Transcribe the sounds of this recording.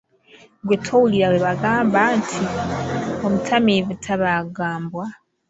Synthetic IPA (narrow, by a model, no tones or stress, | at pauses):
ɡwetʰowuliɾaweβaɡaːmbantʰi | omutʰamivutʰaβaɡaːmbwa